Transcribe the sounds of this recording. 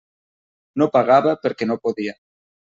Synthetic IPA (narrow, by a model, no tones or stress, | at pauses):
nõpaɣaβapeɾkenõpoðia